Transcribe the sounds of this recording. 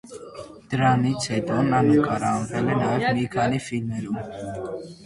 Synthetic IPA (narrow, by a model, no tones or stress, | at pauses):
d̪̥ɾanit͡sʰɛd̪ɔnanukʼaɾaːmpɛlɛnaɛvnikʰanifilmɛɾu